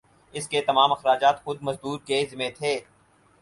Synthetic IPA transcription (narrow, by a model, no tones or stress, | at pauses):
ɪsket̪ɐmaːmɐxɾaːd͡ʒaːt̪xʊd̪̚mɐzd̪uːɾkezɪmẽt̪ʰeː